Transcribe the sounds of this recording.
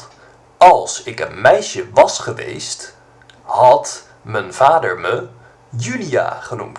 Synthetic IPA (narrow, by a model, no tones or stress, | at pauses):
ɑlˠsɪkənmɛjʃəʋɑsχəʋḛjst | hɑt | mənv̥aːdəɹmə | jylija̰ːχənumt